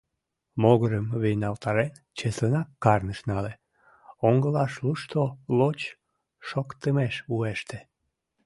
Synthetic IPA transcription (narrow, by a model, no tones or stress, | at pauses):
moɣəɾəmβijnɑlt̪ɑɾen | t͡ɕeslənɑkːɑrnəʃnɑle | oŋɡəlɑʃluʃt̪olot͡ɕ | ʃokt̪əmeʃueʃt̪e